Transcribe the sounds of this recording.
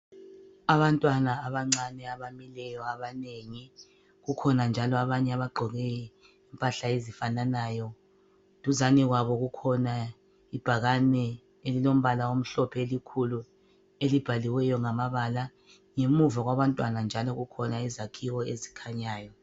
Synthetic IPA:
aβantʼwanaːβaŋ͡ǀanɛaβamilɛjɔaβaneŋi | ɣukʰɔnand͡ʒʱalɔaβaɲɛaβaɡ͡ǃʱɔɣɛj | ɛmpʼaɬaezifananajɔ | tʼuzaniɣwaβɔɣukʰɔna | ib̥ʱaɣanɛ | elilom̩βalaom̩ɬɔpʰelikʰulu | elib̥ʱaliwɛjɔŋamaβala | ŋemuvaɣwaβantʼwanand͡ʒʱalɔɣukʰɔnaizakʰiwɔezi̥kʰaɲaːjɔ

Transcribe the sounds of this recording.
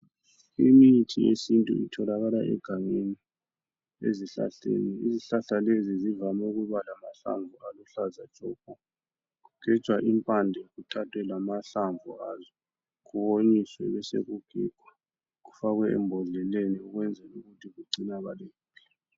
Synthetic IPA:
imitʰiesintʼṵitʰɔlaɣalaʔɛ̰ɡ̥ʱaŋeni | ḛziɬa̰ɬḛniiziɬaɬalezizivamɛɣuβalamaɬa̰ɱvʱualuɬazḁt͡ʃʼɔkʼɔ | ɣuɡ̥ʱɛ̥t͡ʃwaʔimpʼandʱɛɣutʰatʰwɛlamaɬaɱvṵazɔ | ɣuβoɲiswɛ̰βɛsḛɣuɡ̥ʱḭɡ̥ʱwa | ɣufaɣwɛɛ̰mbʱɔɮɛleniuɣwɛnd͡zʱɛuɣutʰiɣuǀinaɣaleːpʰi̥

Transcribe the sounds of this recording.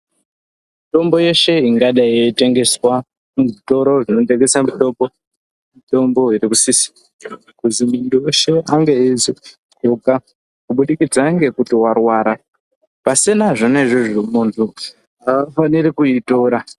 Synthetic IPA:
mito̞mbo̞je̞ʃe̞iŋɡaɗajete̞ŋɡe̞swa | muʐito̞ɾo̞ʐino̞teɡesamito̞ːmbo̞ | mito̞mbo̞iɾikusisi̥ | kuzimundujeʃe̞aŋɡe̞izi | uka | kuɓuɗikid͡zaŋɡe̞kutiwarwaːɾa | pasinaʐoneʐiʐimuntʰu | ɦaʋafaniɾikuitoɾa

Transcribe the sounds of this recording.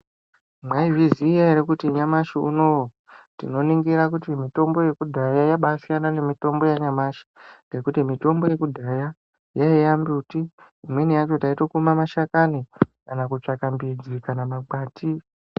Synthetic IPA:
mwaiviziːjaeɾekutiɲamaʃiuno̞wo | tḭno̞niŋɡiɾak̬utimito̞mbo̞je̞kudʱajajaɓasijanane̞mito̞mbo̞jaɲamaʃḁŋɡe̞kutimito̞mbo̞je̞kudʱaja | jaijambutiː | mwe̞nijat͡ʃo̞taito̞kumamaʃakanikanakut͡ʂakambid͡zikanamaɡ͡baːti

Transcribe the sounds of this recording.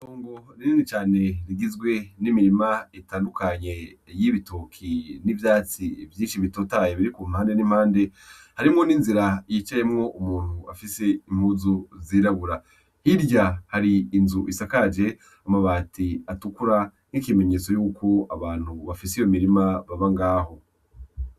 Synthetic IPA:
soːŋɡo̞niniːnit͡ʃaːne̞ɾiɡizɡwe̞nimiɾimaitaːndukaɲe̞jiβitokʰinivjaːt͡sivjiːnʃiβitotajeβiɾikuːm̥haːnde̞nimhaːnde̞haɾimŋo̞ninziɾajit͡ʃaje̞mŋo̞ʔumuːn̥hua̰fise̞im̥huzuziːɾaβuɾa | hiɾɟahaɾiːnzuʔisakad͡ʒe̞ | amaβaːtiatukuɾa | ŋ̥ikime̞ɲe̞t͡so̞juːkʰo̞aβaːn̥huβafisijomiɾimaβaβaŋɡaːho̞

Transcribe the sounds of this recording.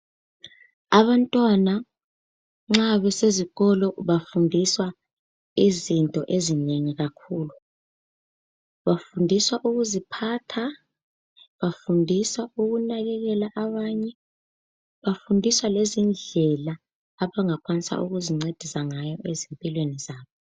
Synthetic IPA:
aβantʼwana | ŋ͡ǁaβɛseziɣɔlɔβafundʱiswa | izintʼɔʔezineŋiɣakʰuːlu | βafundʱiswaʔuɣuzipʰaːtʰa | βafundʱiswauɣunaɣɛɣɛlaʔaβaːɲɛ | βafundʱiswalezind͡ɮʱɛlaː | βaŋakʰwanisa̰ʔṵɣuziŋ͡ǀed̥ʱisaŋajɔʔezimpʼilwenizaːβɔ

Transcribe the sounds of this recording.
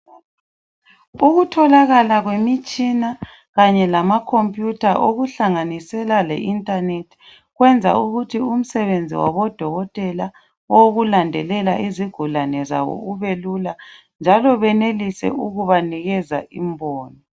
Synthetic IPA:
uɣutʰɔlaɣalaɣwemit͡ʃʼina | ɣaɲɛlamakʰompʼjutʰaʔoɣuɬaŋanisɛlalḛʔintʼanetʰi̥ | ɣwɛnd͡zʱa̰uɣutʰium̩sɛβend͡zʱḭwa̰βɔd̥ʱɔɣɔtʼɛla | ɔɣulandʱɛlɛlaʔiziɡ̥ʱulanɛza̰βɔ̰uβelula | nd͡ʒʱalɔβɛnelisɛ̰uɣuβaniɣɛza̰ʔimbʱɔːnɔ

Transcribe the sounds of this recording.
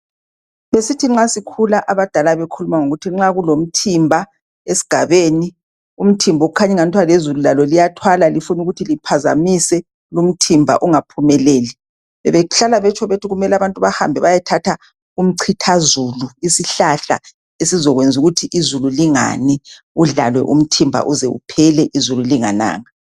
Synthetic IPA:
βesitʰiŋ͡ǁasikʰulaʔaβad̥ʱalaβekʰulumaŋoɣutʰiŋ͡ǁaɣulom̩tʰimbʱa | esi̥ɡ̥ʱaβeːni | um̩tʰimbʱɔoɣukʰaɲɛŋantʼʰwalezululalɔlijatʰwalalifunuɣutʰilipʰaza̰misɛ | lum̩tʰimbʱa̰ʔuŋapʰumɛleːli | βɛβɛɣuɬalaβɛt͡ʃʰɔβetʰuɣumɛlaβantʼuβaha̰mbʱɛβajatʰatʰa | um̩ǀʰitʰazuluisiɬaɬa̰ | esizɔɣwend͡zʱuɣutʰiʔizululiŋa̰ni | uɮalwɛ̰ʔṵm̩tʰimbʱa̰ʔuzɛ̰ṵpʰɛlɛʔizululiŋa̰na̰ːŋa

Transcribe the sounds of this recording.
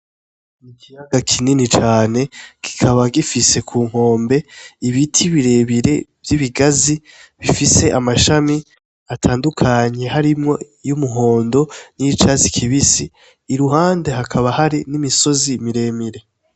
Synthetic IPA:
ikijaɡakʰininit͡ʃaːne̞ɡ̥i̥kʰaβaɡifise̞kʰuːŋ̥ho̞ːmbe̞iβitʰiβiɾe̞βiɾe̞vjiβiɡazi | βifise̞ʔamaʃami | atʰaːndukʰaɲe̞ɦaɾimŋo̞ | jumuɦo̞ːndo̞nit͡ʃazikʰiβisiː | ɾuɦaːnde̞ɦakʰaβahaɾinimiso̞zimiɾe̞ːmiɾe̞

